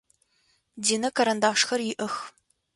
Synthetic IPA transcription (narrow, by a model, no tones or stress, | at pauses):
diːnɐkʰɐɾɐndaːʂxɐrjɪʔɐx